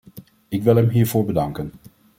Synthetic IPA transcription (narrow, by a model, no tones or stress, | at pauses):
ɪkʋɪlˠɦɛmɦiːɹvʊːɹbədɑŋkən